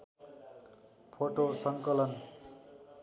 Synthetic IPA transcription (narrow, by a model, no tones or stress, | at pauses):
pʰoʈosʌŋkʌlʌn